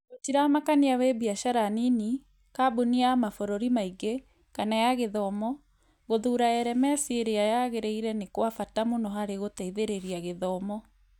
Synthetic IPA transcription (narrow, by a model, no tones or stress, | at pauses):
ɣot͡ʃiɾamakaniawebiaʃaɾanini | kaboniamafɔɾoɾimaiɡe | kanajaɣeðɔmɔ | ɣoðuːɾaɛɾɛmɛsieɾeajaɣeɾeiɾɛnekwafatamonɔɦaɾeɣotaiðeɾeɾiaɣeðɔmɔ